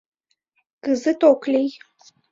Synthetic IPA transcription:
kɨzɨt̪oklʲej

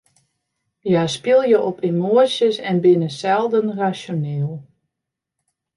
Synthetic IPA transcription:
jaspɪlˠjəʔɔpʰimoəsjəsɛnbɪnəsɛlˠdənrasjoneːlˠ

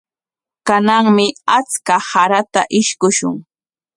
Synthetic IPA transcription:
kanaŋmɪat͡skahaɾat̪aʔɪʃkʊʃʊ̰ŋ

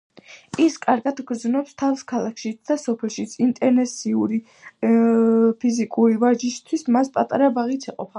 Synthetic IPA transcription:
iskʼaɾɡad̪ɡɾd̪znɔpst̪ʰavskʰalˠakʰʃit̪sʰd̪̥asɔpʰɛlˠʃit̪sʰint̪ʼɛɾnɛsiuɾi | pʰizikʼuɾivaɾd͡ʒist̪ʰwismaspʼat̪ʼaɾabaʁit̪sʰɛqʼɔ̰pʰa

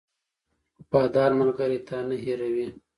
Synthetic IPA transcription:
b̥ɑːd̪ɑːɾmalɡaɾit̪ʰanaɦiɾawi

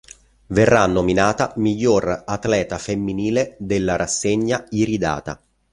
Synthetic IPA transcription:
verːanːominaːt̪amiʎːorat̪lɛːt̪afemːiniːled̪elːaɾasːeɲːaiɾid̪a̰ːt̪a̰

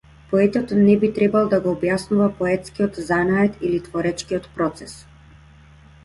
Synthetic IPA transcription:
pɔɛt̪ɔt̪nɛbit̪ɾɛbalˠd̪aɡɔːbjasnuvapɔɛt̪skiɔt̪zanaɛt̪ilit̪vɔɾɛt͡ʃkiɔt̪pɾɔt̪sɛs

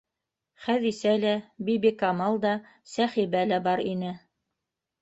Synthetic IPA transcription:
χæðisælæbibikɑmɑlˠd̪ɑ | sæχiβælæbɑɾinɘ

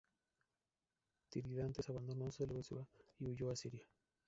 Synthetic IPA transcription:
t̪iɾiðant̪esaβand̪onoseeleβesiβaiuʝoasiɾja

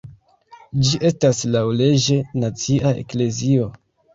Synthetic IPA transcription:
d͡ʒiʔe̞staslawle̞d͡ʒe̞nat͡siʔaḛkle̞zio̞

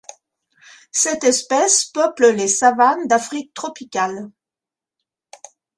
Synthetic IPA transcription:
sɛt̪ɛspɛspœpləlesavand̪afχik̚t̪χɔpikʲal

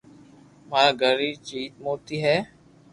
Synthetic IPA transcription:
maːɡʱəɾiːt͡ʃiːt̪̚moːt̪iːɦɛː

